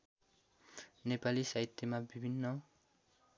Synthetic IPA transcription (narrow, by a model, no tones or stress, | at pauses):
nepalisait̪ːemabibʱinːʌ